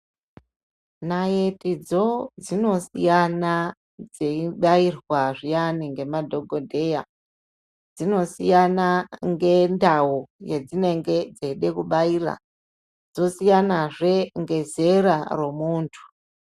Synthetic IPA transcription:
naje̞tid͡zo̞d͡zino̞sḭjana | d͡zeiɓairwaʐijaniŋɡe̞madʱo̞ɡʱodʱe̞ja̰ | d͡zino̞sijanaŋɡe̞ndawujed͡zine̞ŋɡed͡zeɗe̞kuɓaiːra̰ | d͡zo̞sijanaʐe̞ŋɡe̞ze̞rare̞muːntʰu̥

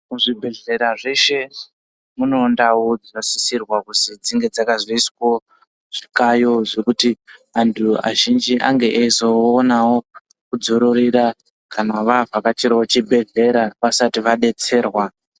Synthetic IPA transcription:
muʐibʱe̞ɮe̞ɾaʐe̞ʃe̞ | muno̞ndawod͡zasisirwakusid͡ziŋɡe̞d͡zakaziisko | ʐ̥ikajo̞ʐe̞kutiʋantʰua̰ʒind͡ʒiʔa̰ŋɡe̞ʔezoːnawo̞ | kud͡zo̞ɾoɾiɾa | kanaʋavakat͡ʃiɾawot͡ʃibʱe̞ɮe̞ɾaʋasatiʋaɗe̞t͡se̞ːrwa

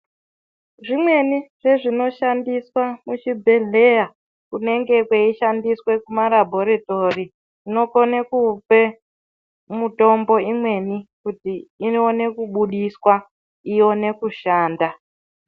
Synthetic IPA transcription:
ʐimwe̞niʐe̞ʐino̞ʃandiswamuʃibʱe̞ɮe̞ja | kune̞ŋɡe̞kwe̞iʃandiswe̞kumaɾabʱo̞ɾito̞ri | ino̞konekupe̞ | muto̞mbo̞imwe̞nikutiːnone̞kuɓuɗiswa | ijo̞ne̞kuʃaːnda

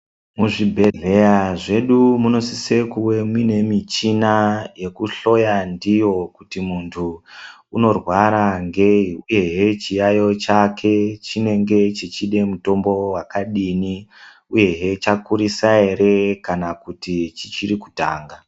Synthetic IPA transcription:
muʐibʱe̞ɮe̞jaʐe̞ɗumuno̞sise̞kuwe̞mwine̞mit͡ʃinaje̞kuɬo̞jandijo̞kutimuntʰuuno̞rwaɾaŋɡeuje̞ɦe̞t͡ʃijajo̞t͡ʃakʰe̞t͡ʃine̞ŋɡe̞t͡ʃit͡ʃiɗe̞muto̞mbo̞wakaɗini | uje̞ɦe̞t͡ʃakuɾisae̞ɾe̞kanakutit͡ʃit͡ʃiɾikuta̰ːŋɡa

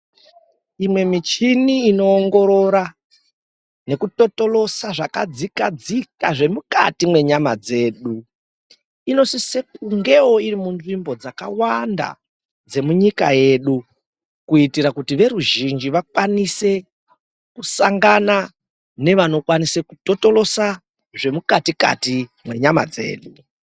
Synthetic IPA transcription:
imwe̞mit͡ʃiniːno̞ːŋɡo̞ɾo̞ɾa | ne̞kuto̞to̞lo̞saʐakad͡zikad͡zikaʐe̞muka̰timwe̞ɲamad͡ze̞ːɗu | ino̞sise̞kuŋɡe̞woirimunʐimbo̞d͡zakawanda̰ | d͡ze̞muɲika̰je̞ɗu | kuitiɾakutiʋe̞ɾuʒind͡ʒiʋakwanise̞ | kusaŋɡana | ne̞ʋano̞kwanise̞kuto̞to̞lo̞sa | ʐe̞mukatika̰timwe̞ɲama̰d͡ze̞̰ːɗu

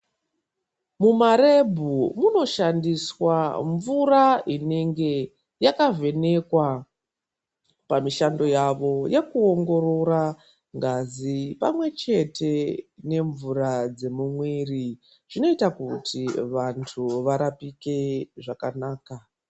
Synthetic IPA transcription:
mumaɾe̞bʱumuno̞ʃandiswaɱvuraine̞ŋɡe̞ | jakave̞ne̞kwa | pamiʃando̞jaʋo̞jekuo̞ŋɡo̞ɾo̞ɾa | ŋɡazipa̰mwe̞t͡ʃe̞tʰe̞ne̞ɱvuɾad͡ze̞mumwiri | ʐ̥ino̞itakutʰiʋantʰuʋaɾapike̞ʐakanaːka

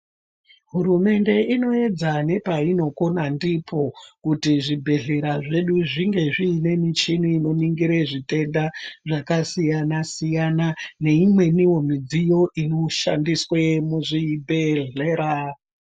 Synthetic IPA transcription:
ɦuɾume̞nde̞ino̞e̞d͡zane̞paino̞ko̞nandipʰo̞kutiʐibʱe̞ɮe̞ɾaʐe̞ɗuʐiŋɡe̞ʐiːne̞mit͡ʃinuino̞niŋɡiɾeʐite̞ndaʐakasijanasijanane̞imwe̞niwo̞mid͡zijo̞ʔino̞ʃa̰ndiswemuʐibʱeɮeːɾa

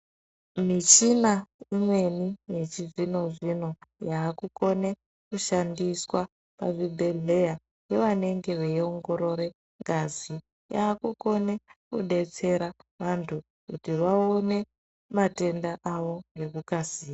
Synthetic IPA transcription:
mit͡ʃinaimwe̞nijet͡ʃiʐino̞ʐino̞jaːkuko̞ne | kuʃandiswa | pa̰ʐibʱeɮe̞ja | jeʋane̞ŋɡe̞ʋeio̞ŋɡo̞ɾo̞ɾe̞ | ŋɡazi | jaːkuko̞nekuɗe̞t͡se̞ɾaʋantʰu | kutiʋaone̞ | mate̞ndaʔaʋo̞ŋɡe̞kukasiːa

